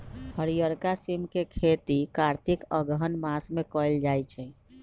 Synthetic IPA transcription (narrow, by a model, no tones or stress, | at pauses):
həɾijəɾkasimkekʰet̪ikaɾt̪ʰikəɡɦənmasmekɔjld͡ʒajt͡ʃʰɛ